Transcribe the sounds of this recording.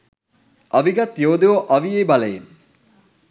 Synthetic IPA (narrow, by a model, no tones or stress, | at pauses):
ʔɐʋiɡɐt̪joːd̪eʋoʔɐʋijeːbalɐjen